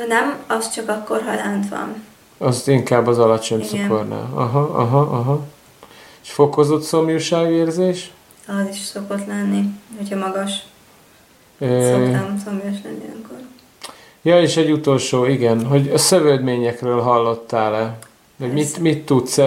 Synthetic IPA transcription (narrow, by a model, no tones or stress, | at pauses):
nɛmɒst͡ʃɒkɒkːorɦɒlant̪ʋɒ̰n | ɒziŋkaːbːɒzɒlɒt͡ʃo̞ɲsokorna̰ːlɒɦɒɒ̰ɦɒʔɒɦɒ | eʃfo̞ko̞zo̞t̪so̞mjuʃaːɡeːrzeːʃ | ɒziʃso̞ko̞t̪lɛnːihochɒmɒɡɒʃ | øːɛnsomjoʃlɛnːiø̰ŋkor | jɒeːʃɛɟːut̪o̞lʃoːiɡɛnɦo̞ɟɒsøvøːd̪meːɲɛkrøːlɦɒlːo̞t̪ːaːlɛ | hoɟmit̪mit̪ːut̪sɛ